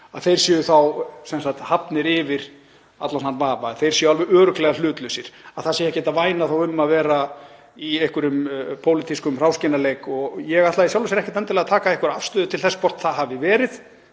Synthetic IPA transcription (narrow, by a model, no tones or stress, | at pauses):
a̰ðθejɾ̥sɛːjʏθawsɛnsakt̪hapnɪɾɪvɪɾ̥ | at̪lananvaːvaθejɾ̥sɛːjʏalvɛðœːɾʏklɛɣalʏːt̪lœɥsɪɾ̥aðθasɛjɛhcɛːt̪avaːjnaθawʏmmaðvɛːɾa | iehkʏɾʏmpʰoːwlit̪ʰiskʏmr̥awscɪnaleːjkɔɣjɛɣat̪laisjawlsɪɾɛhcɪt̪ɛnt̪ɪlɛɣat̪ʰaːkaejhkʏɾafst̪ʏːðʏt̪ʰɪlθɛsːpɔr̥t̪θaðɦavɪvɛːɾɪð